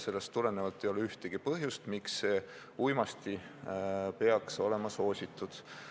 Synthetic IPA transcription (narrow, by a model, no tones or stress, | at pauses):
se̞lːest̪ːule̞nevɑlt̪ːˑejo̞leyht̪eɡ̥ipɤɦjust̪miksːeː | ujmɑst̪i | pe̞ɑkso̞le̞mɑso̞ːsʲit̪ːˑud̪̥